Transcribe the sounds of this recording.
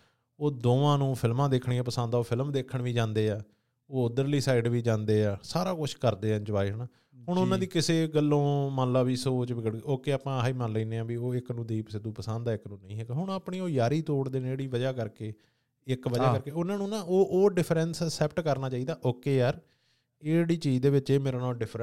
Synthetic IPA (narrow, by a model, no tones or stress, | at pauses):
oːd̪oːʋãːnũːpʰɪlmãːd̪eːkʰɳiːãːpəsə̃nd̪aːoːpʰɪlmd̪eːkʰːəɳʋiːd͡ʒãːnd̪eːɛː | oːʊd̪əɾliːsaːɪɖʋiːd͡ʒãːnd̪eːɛːsaːɾaːkʊt͡ʃʰkəɾd̪eːɛ̃d͡ʒəʋaːiɦnaː | ɦʊɳʊnãːd̪iːkɪseːɡəlːõːmãːnlaːbiːsoːt͡ʃʋɪɡəɽeoːkeːaːpãːiːmanləiːneːãːbiːoːɪknũːd̪eiːpəsɪd̪ũːpəsə̃nd̪aːɪknũːnəĩːɛkɦʊɳ̃aːpɳiːoːjaːɾiːt̪oːɽd̪eːneːeːɽiːʋəd͡ʒaːkəɾkeː | ɪkʋəd͡ʒaːkəɾkeːʊnãːnũːnãːoːʔoːɖɪpʰɾɛ̃nsəsɛːp̚ʈkəɾnaːt͡ʃaːiːd̪aːʔoːkeːjaːɾ | eɽiːt͡ʃiːd͡ʒd̪eːʋɪt͡ʃeːmeːɾãːnãːɖɪpʰɾ